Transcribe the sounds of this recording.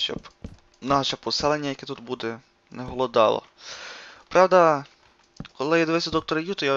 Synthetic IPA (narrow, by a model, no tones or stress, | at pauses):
ʃt͡ʃɔ̰b | nɑʃɛpɔsɪlˠenʲːɐjɐkɛt̪ut̪bud̪ɛ | nɛɦɔlˠɔd̪ɑ̰lˠɐ̰ | pɾʔɑwd̪ɐ | kɔlˠɪjɛd̪ɔʋɪsʲɛd̪ɔk̚t̪ɔɾɐjut̪ɔja